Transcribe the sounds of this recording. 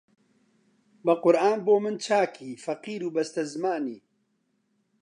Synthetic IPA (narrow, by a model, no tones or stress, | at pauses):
bɐqʊɾʔaːnboːmɨnt͡ʃʰaːkʰiːfɐqiːɾuːbɐst̪ɐzɨmaːniː